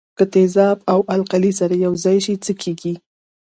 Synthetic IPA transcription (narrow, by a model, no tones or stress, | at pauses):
kət̪ezɑbawʔalqalisaɾajawzɑjʃit͡səkʰeɡi